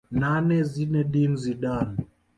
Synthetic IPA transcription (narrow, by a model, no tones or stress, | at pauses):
nanɛzinɛɗinziɗan